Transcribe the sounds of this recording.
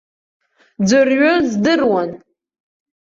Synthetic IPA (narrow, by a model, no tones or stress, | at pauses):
d͡zɨrɥʊzdɨrwan